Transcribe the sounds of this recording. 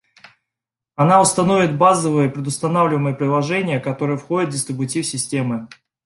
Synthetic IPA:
ɐnaʊst̪ɐnovʲɪt̪̚bazəvɨjəpɾʲɪd̪ʊst̪ɐnavlʲɪvəməjəpɾʲɪlˠɐʐɛnʲɪjəkɐt̪o̞ɾɨjəfxo̞dʲɪt̪̚dʲɪst̪ɾʲɪbʊtʲifsʲɪsʲtʲe̞mɨ

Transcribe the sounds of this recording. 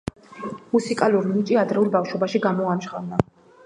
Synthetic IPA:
musikʼaluɾnit͡ʃʼiad̪ɾɛulˠbafʃɔbaʃiɡamɔamʃχanna

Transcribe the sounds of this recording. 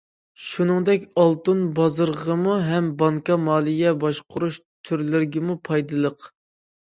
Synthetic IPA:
ʃunɨŋd̪ɛkʲɑlˠt̪unbɑzəɾʁəmuɦɛmbɑŋkɑmɑːlˠɨɡʲɛbɑʃqʰʊɾuʃt̪ʰyɾlɪɾɡʲɪmupʰɑjd̪ɨlˠəq

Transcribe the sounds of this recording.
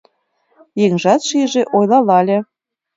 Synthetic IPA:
jeŋʒɑt̪ʃiʒĕʔojlɑlɑlʲe

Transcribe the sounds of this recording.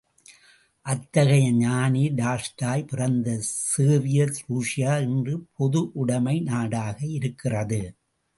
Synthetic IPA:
ʔɐt̪ːɐɣɐjɐɲaːniɖaːsʈaːjpɪrɐnd̪ɐsɯːʋɪjɐsɾuːʂɪjaːɪndrɯpʰɔðɯʔʊɽɐmɐɪnaːɽaːɣɐɪɾɯkːɪrɐðɯ

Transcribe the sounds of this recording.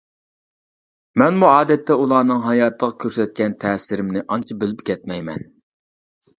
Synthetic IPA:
mɛnmuɑːd̪ɛt̪ʰːɛulˠɑːnɨŋɦɑjɑːt̪ʰːəʁɑkʲʰøɾsɛt̪̚kʲɛnt̪ʰɛːsɪɾɪmnɪʔɑnt͡ʃʰɑbɪlɪpkʲʰɛt̪mɛjmɛ̰n

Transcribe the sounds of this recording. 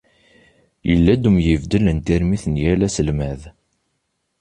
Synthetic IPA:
jə̰lːæd̪umjəvd̪ələnt̪iɾmiθnjælæsəlmæð

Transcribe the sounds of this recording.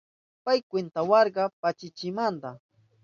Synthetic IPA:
pajkwent̪awɑɾɢɑpat͡ʃɪt͡ʃɪmand̪a

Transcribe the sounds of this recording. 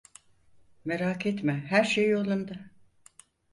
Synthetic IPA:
meɾaːkʰet̪mɛɦæɾʃejolˠund̪a

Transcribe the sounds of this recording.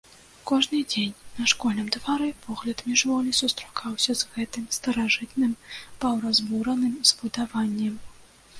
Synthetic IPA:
kɔʐnɨd͡zʲenʲnɐʂkɔlʲnɨmt̪vaɾɨpʰɔɣlʲɐt̪mʲiʐvɔlʲisust̪ɾakʰawsʲɐzɣɛt̪ɨmst̪ɐɾaʐɨt̪nɨmpɐwɾɐzbuɾɐnɨmz̥bud̪avanʲːɛm

